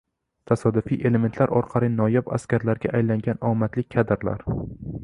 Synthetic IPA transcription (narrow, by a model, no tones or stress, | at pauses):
t̪ʰasɒd̪ʊfiʔe̞le̞ment̪laɾʔɒɾqʰɑlɪnɒjaba̰skʲaɾlaɾɡʲaʔajlaŋɡʲanɒmat̪lɪkʲʰad̪ɾla̰ɾ